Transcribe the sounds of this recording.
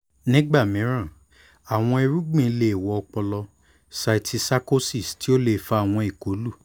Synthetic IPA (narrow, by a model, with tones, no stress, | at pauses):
nĩ˦ɡ͡ba˦˨mĩ˨˦ɾ̃ã˦˨ | a˨w̃ɔ̃˧e˧ɾu˦ɡ͡bĩ˧˦le˨wɔ˨ɔ˧k͡pɔ˧lɔ˧ | sa˧˨tʰi˧sa˦ko˦si˦˨sti˨˦o˦le˦˨fa˧˦a˨w̃ɔ̃˧i˨ko˨˦lu˦˨